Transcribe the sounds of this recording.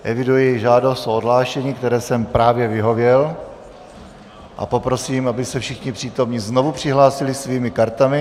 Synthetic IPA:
ʔɛvɪdujɛjʒaːdost̪oodɦlaːʃɛɲiːkt̪ɛɾɛːsɛmpɾaːvjɛvɪɦo̞vjɛl | ʔa̰po̞pɾo̞siːmʔabɪsɛfʃɪxɲɪpr̥iːt̪o̞mɲizno̞vupr̥ɪɦlaːsɪlɪsviːmɪkaɾt̪amɪ

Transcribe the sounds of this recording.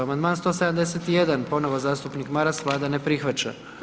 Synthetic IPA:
amand̪maːnst̪oːsed̪amd̪eset̪ijed̪anpo̞noʋozaːst̪upnikmaɾasʋlˠaːd̪anepɾixʋat͡ʃa̰

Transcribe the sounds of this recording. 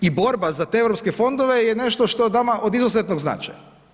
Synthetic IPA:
ibo̞ɾbazat̪eevɾopskefo̞nd̪oʋejene̞ʃt̪o̞ʃt̪o̞d̪amaʔod̪izuzet̪noɡzna̰t͡ʃa̰ja

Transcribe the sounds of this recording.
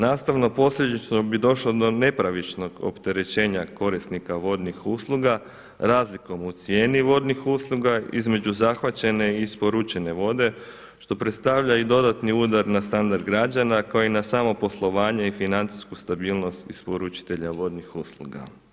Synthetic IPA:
naːst̪aʋno̞po̞sʎʲe̞d̪it͡ʃnobid̪o̞ʃlo̞d̪o̞ne̞pɾaʋit͡ʃno̞ɡo̰pt̪e̞ɾe̞t͡ʃe̞ːɲako̞ɾist̪nikaʋo̞d̪nixuslˠuɡa | ɾaːzliko̞mut̪sje̞ːniʋo̞ːd̪nixuslˠuɡaḭzme̞d͡ʒuzaxʋat͡ɕe̞ne̞ispo̞ɾut͡ʃe̞ne̞ʋo̞d̪e̞ | ʃt̪o̞pɾe̞t̪st̪aʋʎaid̪o̞d̪at̪niuːd̪aɾnast̪and̪aɾd̪̚ɡɾad͡ʒanakaoinasamo̞po̞slˠo̞ʋaːɲe̞ifinant̪si̥skust̪abiːlˠno̞st̪ispoɾut͡ʃi̥t̪e̞ʎaʋo̞d̪nixuːslˠṵɡa̰

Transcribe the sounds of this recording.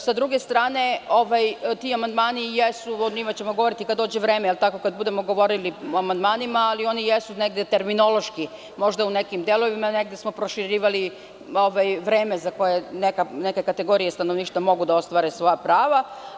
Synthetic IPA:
sad̪ɾuɡe̞st̪ɾaːne̞o̞ʋajt̪iamand̪maːnijesuod̪ɲimat͡ɕe̞mo̞ɡoo̞ɾit̪ikad̪ːo̞ːd͡ʑeʋɾe̞ːmejelt̪ako̞kad̪̚bud̪e̞mo̞ɡo̞ʋo̞ɾiliamand̪maːnimaːlio̞nijesune̞ɡd̪et̪e̞ɾmino̞lˠo̞ʃki | mo̞ʒd̪aune̞kimd̪e̞lˠo̞ʋimaneɡd̪esmo̞pɾo̞ʃiɾiːʋali | o̞ʋajʋɾeːme̞zako̞je̞nekane̞ke̞kat̪e̞ɡo̞ɾijest̪anoʋniːʃt̪amo̞ɡud̪ao̞st̪ʋaɾesʋo̞japɾaːʋa

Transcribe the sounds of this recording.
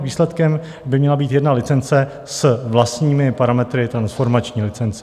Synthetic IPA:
viːslɛt̪kɛm | bɪmɲɛlabiːt̪jɛdnalɪt͡sɛnt͡sɛ | sɛvlast̪ɲiːmɪpaɾamɛt̪ɾɪt̪ɾansfo̞ɾmat͡ʃɲiːlɪt͡sɛnt͡sɛ̥

